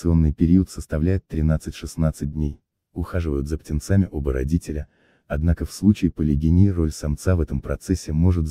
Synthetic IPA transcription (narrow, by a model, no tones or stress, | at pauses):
sɨo̞nːɨjpʲɪɾʲiət̪səst̪ɐvlʲæjɪt̪ːɾʲɪnat̪sɨtʲʂɨsnat̪sɨt̚ʲdʲnʲej | ʊxaʐɨvəjʊt̪zəptʲɪnt̪samʲɪʔo̞bəɾɐ̰dʲitʲɪlʲə | ɐd̪nakəfslˠut͡ɕɪɪpəlʲɪɡʲɪnʲiɾo̞lʲsɐmt̪savɛt̪əmpɾɐt̪sɛsʲːɪmo̞ʐɨt̪